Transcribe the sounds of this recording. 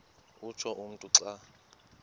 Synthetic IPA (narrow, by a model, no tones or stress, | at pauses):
ut͡ʃʰɔʔum̩tʼuǀa